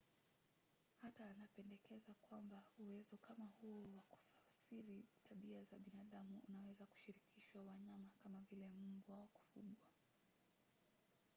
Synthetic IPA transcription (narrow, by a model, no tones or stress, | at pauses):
hataːnapɛndɛkɛzakwambauwɛzɔkamahuɔwaku̥fasiɾitʰaɓiazaɓinaːɗamuṵnawɛzaku̥ʃiɾikʰiʃwawaɲamakamavilɛmubwawɔku̥fuɠwa